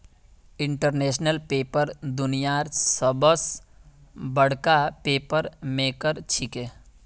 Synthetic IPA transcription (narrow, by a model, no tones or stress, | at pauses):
ɪɳʈəɾneːsnəlpeːpəɾd̪ʊnijaɾsəbəs | bəɽ̤kapeːpəɾmekəɾt͡ʃʰike